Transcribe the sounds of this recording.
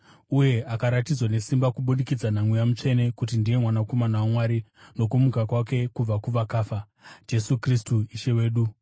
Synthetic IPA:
uje̞ʔakaɾatid͡zwane̞simbakuɓunikid͡zanamwujamut͡ʂe̞ne̞kutindije̞mwanako̞manawamwaːɾino̞kumukakwake̞kub͡vakuʋakaːfa | d͡ʒe̞sukristuiʃe̞we̞ːɗu

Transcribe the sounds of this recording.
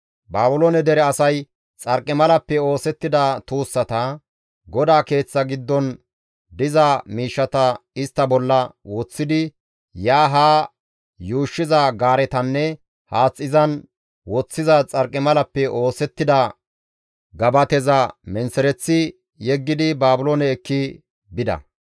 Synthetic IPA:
baːbʊloːnɛd̪ɛɾɛɐsɐj | t͡sʼɐɾkʼːɪmɐlɐpːɛo̞ːsɛt̪ːɪd̪ɐt̪uːsːɐt̪ɐ | ɡɔd̪aːke̞ːt͡sːɐɡɪd̪ːɔn | d̪ɪzɐmiːʃːɐt̪ɐɪst̪ːɐbɔlːɐwɔt͡sːɪd̪ɪ | jaːɦaː | juːʃːɪzɐɡaːɾɛt̪ɐnːɛ | haːt͡sʼːɪzɐn | wɔt͡sːɪzɐt͡sʼɐɾkʼːɪmɐlɐpːɛʔo̞ːsɛt̪ːɪd̪ɐ | ɡɐbɐt̪ɛzɐmɛnsɛɾɛt͡sːɪ | jɛɡːɪd̪ɪbaːbʊloːnɛːkːɪ | bɪd̪ɐ̰

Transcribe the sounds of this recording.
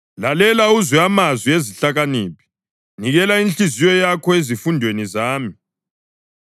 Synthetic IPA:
lalɛlauzwɛamazwieziɬaɣaniːpi̥ | niɣɛlainɬizijɔjakʰɔezifundʱwenizaːmi

